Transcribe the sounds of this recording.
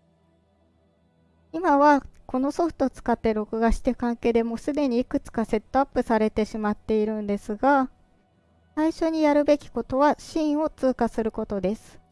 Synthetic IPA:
imaβako̞no̞so̞ɸɯ̟̥t̪o̞ːt͡sɨ̥kat̪ːe̞ɾo̞kɯ̟ɡaɕi̥t̪eɯkãŋke̞ːd̪e̞mo̞sɨd̪e̞ɲ̟iikɯ̟t͡sɨ̥kase̞t̪ːo̞apːɯ̟saɾe̞t̪e̞ɕimat̪ːe̞iɾɯ̟̃nd̪e̞sɨɡa | saiɕo̞ɲ̟ijaɾɯ̟be̞kʲi̥ko̞t̪o̞βaɕĩːɰ̃o̞t͡sɨːkasɨɾɯ̟ko̞t̪o̞d̪e̞sɨ̥

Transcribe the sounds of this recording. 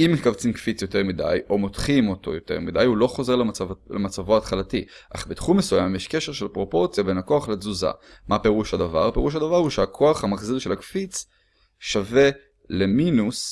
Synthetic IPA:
imekavt͡simkfit͡sjo̞te̞ʁmida̰jo̞mo̞tχimo̞to̞̰jote̞̰ʁmidajulo̞χo̞ze̞ʁlet͡savlemat͡savoaːtχalati | ʔa̰χbet̪χumːesujamjeʃke̞ʃe̞ʁʃe̞lpʁo̞po̞ʁt͡sjabe̞nako̞aχlezuza̰mape̞ʁuʃhadava̰ʁpe̞ʁuʃ̬hadavaʁhuʃeakʰo̞aχhamaχzilʃe̞lakfit͡s | ʃave̞ | le̞minus

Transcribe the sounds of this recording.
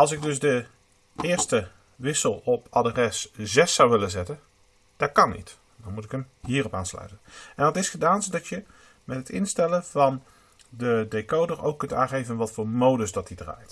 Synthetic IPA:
ɑlˠsɪɡ̚dɵzdə | ɪːɹstə | ʋɪsəlˠɔpʰadrɛszɛsːawʋɪlənzɛtən | d̥ɑt̚kɑnḭt | dɑnmutɪkəmɦiːrɔpaːnslœ̰ɥtənɛnɑtɪsχədaːnzodɑtjə | mɛtɦətɪnstɛlənv̥ɑn | dədekowdəɹo̰wkːɵntaːnχejvənʋɑtfʊːɹmowdəsdɑtidra̰ːjt

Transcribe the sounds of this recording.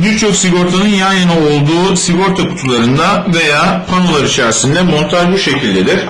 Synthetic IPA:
biɾt͡ʃʰo̞ksiɡo̞ɾt̪ʰanɯnjanjanao̞lˠd̪uːsiɡo̞ɾt̪ʰaku̥t̪ʰulˠaɾɯnd̪ave̞jaːpʰano̞lˠaɾit͡ʃʰæɾsind̪ɛmo̞nt̪ʰaʒbiʃe̞cʰilʲd̪e̞d̪iɾ̥

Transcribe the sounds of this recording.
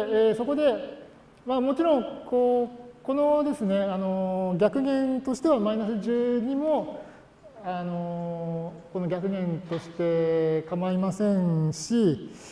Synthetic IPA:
eːso̞ko̞d̪e̞ | mamo̞t͡ɕiɾõ̞ŋkʰoːko̞no̞d̪e̞sɨne̞ano̞ɡʲakɯ̟ɡẽ̞nt̪o̞ɕi̥t̪e̞βamainasɨʑɨːɲ̟imo̞ | ano̞ | ko̞no̞ɡʲakɯ̟ɡẽ̞nt̪o̞ɕi̥t̪e̞kamaimasẽ̞ɰɕi

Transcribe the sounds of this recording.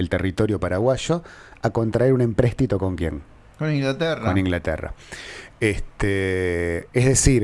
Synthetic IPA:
elt̪erit̪o̞ɾjo̞paɾaɣwaʃo̞ako̞nt̪ɾaeɾune̞mpɾest̪it̪okoŋkjḛŋ | konĩŋɡlat̪ɛrkonĩŋɡlat̪ḛra̰ | est̪e | ezðesiɾ

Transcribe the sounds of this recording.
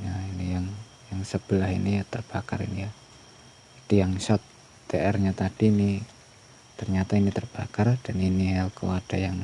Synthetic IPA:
jainijaŋ | jaŋsəb̥əlahḭniat̪ərb̥aka̰rḭnija | d͡ʒad̥ijaŋsɔt̪ː | eɛrɲat̪ad̥iːni | t̪ərɲat̪ainit̪ərb̥akard̥aniniɦɛlkoad̥ajaŋ

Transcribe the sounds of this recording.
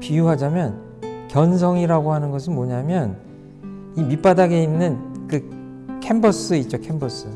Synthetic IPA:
pijuɦad͡ʑamjʌn | kjʌns̬ʰʌŋiɾaɡoɦanɯnɡʌs̬ʰɯnmoɲamjʌn | imip͈adaɡe̞inːɯnkɯ | kʰembʌs͈ɯit̚t͡ɕ͈okʰe̞mbʌs͈ɯ

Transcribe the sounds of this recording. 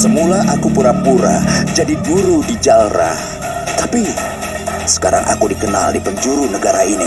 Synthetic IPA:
səmulaʔakupuɾapuɾa̰d͡ʒadiɡuɾudid͡ʒalɾa̰h | t̪api | sə̥kaɾa̰ŋʔa̰kudikəna̰ldipəɲd͡ʒuɾunəɡaɾainḭ

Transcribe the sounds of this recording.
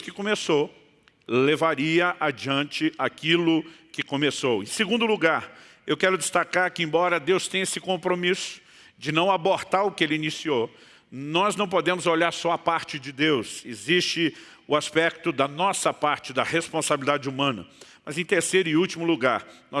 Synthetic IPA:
kɪkõmeso | levaɾiɐʔad͡ʒiɐ̃nt͡ʃɪʔakilʊkɪkõmesowḛ̃j̃seɡũnd̪ʊluɡaɾ | ewkɛɾʊd͡ʒɪst̪akaɾkɪẽbɔɾɐd̪ewst̪ẽj̃esɪkõmpɾomisʊ̥ | d͡ʒɪnɐ̃w̃aboɾt̪aɾʊkɪelɪinisio | nɔznɐ̃w̃pod̪ẽmʊzoʎaɾsɔapaɾt͡ʃɪd͡ʒɪd̪ewsezist͡ʃɪ | ʊaspɛk̚t̪ʊd̪ɐnɔsɐpaɾt͡ʃɪd̪ɐhespõsabilid̪ad͡ʒɪumɐ̃nɐ̰mɐzẽj̃t̪eɾsejɾʊiut͡ʃimʊluɡaɾnɔ

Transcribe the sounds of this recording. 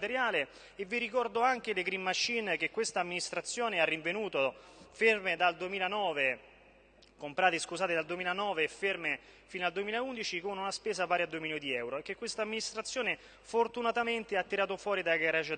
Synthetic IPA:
t̪eɾjaːle | evːiɾikɔrd̪oaŋk̟eleɡɾimːaʃːink̟ekːwest̪aːmːinist̪ɾat̪sːjoːnearːiɱvenuːt̪o | fermed̪ald̪uemiːlanɔːve | kompɾaːt̪eskuzaːt̪ed̪ald̪uemiːlanɔːveːferme | finald̪uemiːlaund̪it͡ʃikonunaspɛːzapaːɾead̪ːomiːnjod̪iɛwɾoekːekːwest̪amːinist̪ɾat̪sːjoːne | fort̪unat̪ament̪eat̪ːiɾaːt̪̬ofwɔːɾid̪aɡaɾat͡ʃ

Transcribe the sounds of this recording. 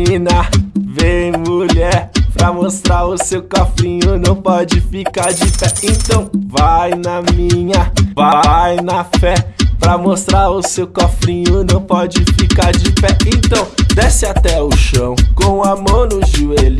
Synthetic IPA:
inɐvẽj̃muʎɛɾpɾɐmost̪ɾaɾʊsewkɔfɾĩɲʊnɐ̃w̃pɔd͡ʒɪfikaɾd͡ʒɪpɛẽnt̪ɐ̃w̃vajnɐmĩɲɐvajnɐfɛpɾɐmost̪ɾaɾʊsewkɔfɾĩɲʊnɐ̃w̃pɔd͡ʒɪfikaɾd͡ʒɪpɛẽnt̪ɐ̃w̃d̪ɛsɪat̪ɛʊʃɐ̃w̃kõw̃ɐmɐ̃w̃nʊʒuelʊ

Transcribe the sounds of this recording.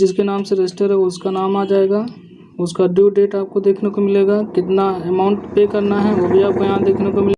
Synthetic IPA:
d͡ʒɪskenaːmseɾesʈəɾɦɛoʊskanaːmaːd͡ʒaːeːɡaː | ʊskaɖjuːɖeːʈaːp̚kod̪eːkʰnekomɪleːɡaːkɪt̪naɛmãːʊ̃ɳʈpeːkɐɾnaɦɛʋobʱiaːp̚kojãːd̪eːkʰnekomɪleː

